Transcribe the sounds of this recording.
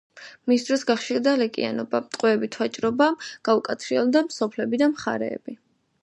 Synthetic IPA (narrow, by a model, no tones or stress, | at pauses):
misd̪ɾɔsɡaχʃiɾd̪alɛkʼḭa̰nɔbamt̪ʼqʼwɛːbit̪ʰwat͡ʃʼɾɔbaɡ̥aukʼat̪sʰɾiɔlˠd̪amsɔpʰlɛbid̪amχa̰ɾɛ̰ːb̥i